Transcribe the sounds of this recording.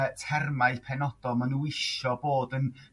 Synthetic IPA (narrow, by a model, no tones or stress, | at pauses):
tʰɛrmajpʰɛnɔd̥ɔlˠmanuɪʃɔboːdən